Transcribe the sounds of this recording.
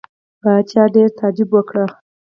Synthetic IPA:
bat͡ʃjɑɖeɾt̪ɑd͡ʒibwəkɽə

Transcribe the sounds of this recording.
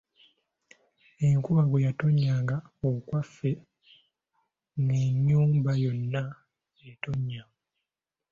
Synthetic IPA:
eŋkuβaɡwejato̞ɲːaːŋɡaokwafːe̞ | neɲːuːmbajo̞nːa | eto̞ɲːa

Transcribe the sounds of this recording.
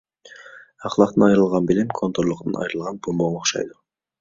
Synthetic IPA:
ɑqlˠɑqt̪ɯnɑjɾɯlˠʁɑnbilimkʰo̞nt̪oɾlˠuqt̪ɯnɑ̰jɾɯlˠʁɑnbumboɴoχʃɑ̰jd̪u

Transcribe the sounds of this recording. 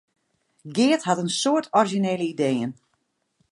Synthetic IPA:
ɡɪətɦatənsoːtʰɔrʒineːləideːən

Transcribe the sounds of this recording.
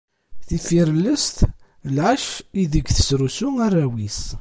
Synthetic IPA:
θifiɾəlːəst̪ | lʕaʃiðəɡθə̥sɾusuarˤːawis

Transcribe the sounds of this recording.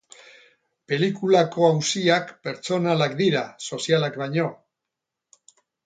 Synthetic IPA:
pe̞likulako̞awsiakpe̞ɾt͡so̞nalakd̪iɾaso̞sialakbajɲo̞

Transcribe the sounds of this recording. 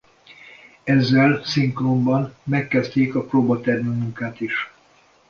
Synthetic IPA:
ɛzːɛlsiŋkrombɒnmɛkːɛst̪eːkɒproːbɒt̪ɛrmymuŋkaːt̪iʃ

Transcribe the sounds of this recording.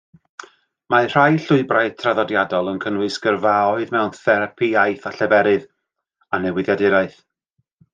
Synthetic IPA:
mar̥ajɬʊɨbraɨtʰraðɔdjadɔlˠənkʰənwɨsɡ̥ərvaɔɨðmɛwnθɛɾapʰiajθaɬɛbɛɾɨð | anɛwɪðjadɪɾaɨθ

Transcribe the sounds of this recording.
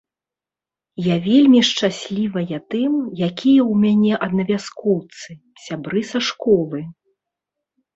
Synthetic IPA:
javʲelʲmʲiʂt͡ʂasʲlʲivɐjɐt̪ɨmjakʲijɐwmʲanʲɛʔɐd̪nɐvʲaskɔwt̪sɨ | sʲabɾɨsaʂkɔlˠɨ

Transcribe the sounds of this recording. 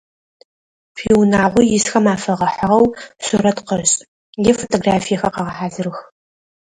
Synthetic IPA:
fiwnaːʁʷʊjɪsxɐmaːfɐʁɐħəʁɐwɕʊɾɐtqəɕʼ | jɛfotʼoɡraːfijɐxɐqɐʁɐħaːzɨrɨx

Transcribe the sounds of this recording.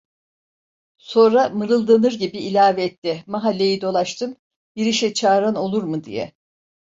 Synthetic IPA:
so̞nɾamɯɾɯlˠd̪anɯɾɟibiːlʲaːvɛɛt̪ːɛmaɦalʲːe̞jid̪o̞lˠaʃt̪ʰɯm | jiɾiʃɛt͡ʃʰaːɾano̞lˠuɾmɯd̪ḭjɛ̰

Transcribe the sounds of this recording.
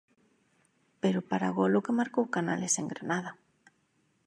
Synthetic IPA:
peɾʊpaɾa̰ɣolokemaɾkowkana̰leseŋɡɾanaða

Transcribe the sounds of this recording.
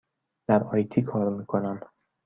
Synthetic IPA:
d̪̥æɾɒːjt̪ʰiːkʰɒːɾmiːkʰonæm

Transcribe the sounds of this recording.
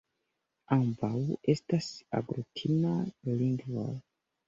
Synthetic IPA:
ambawe̞stasa̰ɡɾutʰinaliŋɡvo̰l

